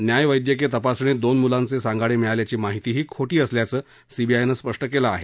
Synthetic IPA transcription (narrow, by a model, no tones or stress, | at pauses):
njajʋəjd̪jək̬et̪əpasɳed̪onmulãnt͡sesaŋɡʱaɭemiɭaljat͡ɕiːmaɦit̪iːɦiːkʰoʈiːəsljat͡səː | sibʱiajnəspəʂʈəkelaːɦe